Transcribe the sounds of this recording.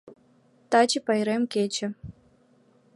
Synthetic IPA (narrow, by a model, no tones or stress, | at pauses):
t̪ɑt͡ɕipɑjɾemkʲet͡ɕĕ